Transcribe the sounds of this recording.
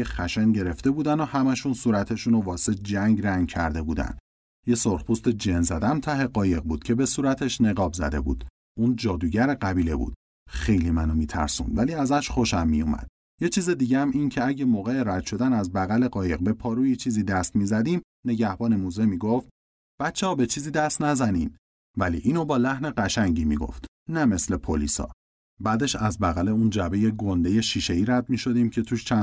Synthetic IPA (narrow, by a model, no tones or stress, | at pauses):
exæʃenɟe̞ɾe̞ft̪e̞buːd̪ænohæmæʃunsuːɾæt̪ʰe̞ʃunovɒːsed͡ʒæŋɟræŋɡ̚cʰæ̰ɾd̪e̞buːd̪æ̰n | je̞soɾxpʰuːst̪ed͡ʒenzæd̪æmt̪ʰæɦe̞ɢɒːje̞ɣ̚buːd̪̥cʰe̞be̞suːɾæt̪ʰe̞ʃne̞ɣɒːbzæ̰d̪e̞̰bṵd̪̥ | ʔund͡ʒɒːd̪uːɟæɾeɢæbiːle̞̰bṵːd̪̥ | xe̞jlimænomiːt̪ʰæ̰ɾsṵnvæliːæzæʃχo̞ʃæmːijumæ̰d̪̥̚ | je̞t͡ʃʰiːzed̪iːɟeæmiːncʰeæɟe̞moːɣeeɾæd̪̥ʃo̞d̪ænæzbæɣæle̞ɢɒːjeɣbe̞pʰɒːɾuːjit͡ʃʰiːziːd̪æst̪miːzæd̪iːm | ne̞ɟæhbɒːnemuzemiːɡoft̪̚ | b̥æt̪t͡ʃʰːeɒːbe̞t͡ʃʰiːziːd̪æst̪næzæniːn | vælḭʔiːnobɒːlæhne̞ɢæʃæŋɟiːmḭɡo̰ft̪ | næme̞sle̞pʰolḭːsɒ̰ː | bæːd̪e̞ʃæzbæɣæle̞und͡ʒæbejeɡo̞nd̪e̞je̞ʃiːʃeiːɾæd̪̚miːʃo̞d̪iːmcʰe̞t̪ʰuːʃt͡ʃʰæ